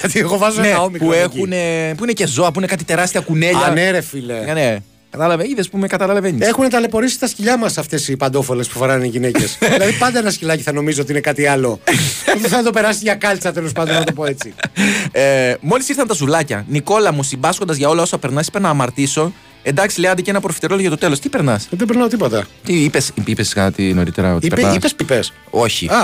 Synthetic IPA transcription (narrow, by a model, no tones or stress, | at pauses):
ɐt̪ieɣovɐzoneɐomikpuexunepuine̞ce̞zo̞ɐpuine̞kɐt̪it̪e̞ɾɐst̪iɐkune̞ʎɐneɾefileɐne | kɐt̪ɐlɐveiðespumekɐt̪ɐlɐlɐveɲexunet̪ɐle̞po̞ɾisi̥st̪ɐsciʎɐmɐsɐft̪e̞sipɐnd̪o̞fole̞spu̥foɾɐniʝinece̞silɐðipɐnd̪ɐenɐscilɐciθɐno̞mizot̪inekɐt̪iɐlo̞ot̪iθɐd̪o̞pe̞ɾɐsiʝɐkɐlt͡sɐt̪elo̞spɐnd̪onɐt̪poe̞t͡si | mo̞lisiɾθɐnt̪ɐsuvlɐcɐ̰niko̞lɐmusimbɐsko̞nd̪ɐzʝɐo̞lɐo̞sɐpe̞ɾnɐsi̥penɐːmɐɾt̪iso̞ | e̞nd̪ɐksileɐnd̪eceenɐpɾofi̥t̪eɾoloʝɐt̪o̞t̪e̞lo̞st̪ipe̞ɾnɐsðebeɾnɐot̪ipot̪ɐt̪iipesipipeskɐt̪ino̞ɾit̪eɾɐot̪ipenɐispespipes | o̞çḭɐ